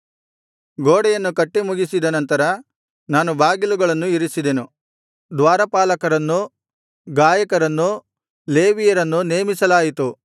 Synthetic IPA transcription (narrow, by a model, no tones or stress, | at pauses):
ɡoːɽɛjɐnːukɐʈːimuɡisid̪ɐnɐnt̪ɐɾɐ | naːnubaːɡiluɡɐɭɐnːuiɾisid̪enu | d̪ʋaːɾɐpaːlɐkɐɾɐnːu | ɡaːjɐkɐɾɐnːu | le̞ːʋijɐɾɐnːune̞ːmisɐlaːjit̪u